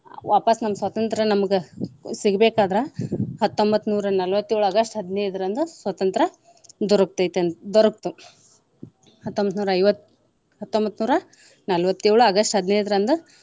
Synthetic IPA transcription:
ʋaːpɐsnɐmːɐsʋɐt̪ɐnt̪ɾɐnɐmɐɡesiɡbeːkaːd̪ɾɐhɐt̪ːombɐt̪ːnuːɾɐnɐlʋɐt̪ːjiːɭuɐɡɐʂʈɦɐd̪neːɾd̪ɐɾɐnd̪usʋɐt̪ɐnt̪ɾɐ | d̪ɔɾɐk̚t̪ɐt̪end̪ɔɾɐk̚t̪u | hɐt̪ːombɐt̪nuːɾɐɐjʋɐt̪ː | ɦɐt̪ːombɐt̪ːnuːɾɐ | nɐlʋɐt̪ːiːɭuɐɡɐʂʈɦɐd̪neːɾd̪ɐɾɐnd̪u

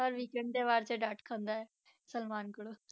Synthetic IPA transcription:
əɾʋiːkɛ̃ɳɖ̚d̪eːʋaːɾt͡ʃeɖaʈkʰə̃nd̪aːɛː | səlmaːnkəɽoː

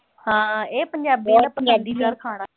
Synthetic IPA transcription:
hãːeːpəɲd͡ʒaːbiːd̪aːpəŋãːnd̪iːd͡ʒaːɾkʰaːɽaː

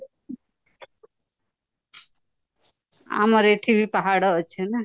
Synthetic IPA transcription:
a̰mʌɾeʈʰibʱipaɦaɽɔːt͡ʃʰen

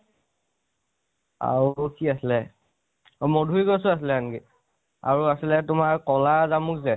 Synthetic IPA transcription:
a̰ɹukiaslɛ | mɔdʱujɡosʊasilɛanki | a̰ɹuasilɛtʊmaɹkɔlazamʊkzɛ

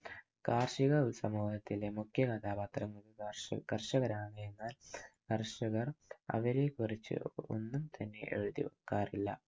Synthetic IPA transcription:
kaːrʂiɣɐulsɐmuːɦɐt̪ːile̞mukʰjɐkɐt̪aːbaːt̪rɐŋuðukɐrʂɐɣɐɾaːɳɐenːaːlkɐrʂɐɣɐrɐ̰ʋɐɾe̞ːkurit͡ɕːɨ̰o̞̰nːumt̪ʰɐnːe̞̰ʔḛɻuðḭʋɐkːaːrilːɐ

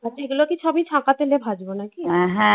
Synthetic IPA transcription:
ətːʰaeɡulokit͡ʃʰɔbit͡ʃʰãkat̪elebʱad͡ʒbonakiɦɛ̃ɦɛ̃

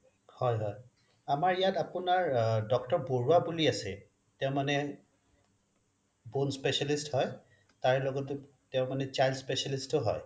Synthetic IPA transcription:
hɔjɦɔj | amaɹijatapʊnaɹdɔk̚tɔɹboɹuabuliasɛ̰ | tɛʊ̃manɛ | bonspɛsalisthɔj | taɹɛlɔɡɔtʊ | tɛʊ̃manɛt͡ʃajlspesalistʊɦɔ̰j

